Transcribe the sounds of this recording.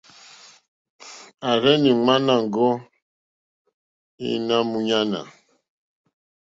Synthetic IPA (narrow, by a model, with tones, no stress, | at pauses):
a˨ɾɛ˦ni˨ŋ͡ma˦na˨ŋ̩˨ɡo˦ | ḭ˦na˦mu˦ɲa˦na̰˨